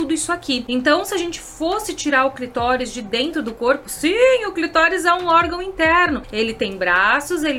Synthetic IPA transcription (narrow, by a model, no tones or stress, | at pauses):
ud̪ʊisʊakiẽnt̪ɐ̃w̃sɪaʒẽnt͡ʃɪ̥fosɪt͡ʃiɾaɾʊklit̪ɔɾɪzd͡ʒɪd̪ẽnt̪ɾʊd̪ʊkoɾpʊsĩʊklit̪ɔɾɪzɛũɔɾɡɐ̃w̃ĩnt̪ɛɾnʊelɪt̪ẽj̃bɾasʊzelɪ